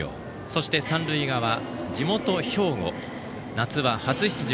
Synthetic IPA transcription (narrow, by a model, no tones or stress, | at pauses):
o̰ː | so̞ɕi̥t̪e̞sãnɾɯ̟iɡaβa | d͡ʑimo̞t̪o̞ço̞ːɡo̞̰ | nat͡sɨβahat͡sɨçi̥t͡sɨʑi